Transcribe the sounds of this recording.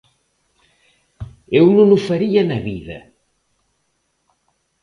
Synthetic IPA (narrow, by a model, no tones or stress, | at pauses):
ewnũnufɐɾiɐnɐβiðɐ̰